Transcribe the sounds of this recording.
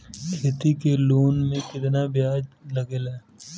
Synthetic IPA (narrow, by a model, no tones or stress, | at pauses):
kʰet̪ikeloːnmẽkɪt̪nabɪjaːd͡ʒlɐɡelaɛ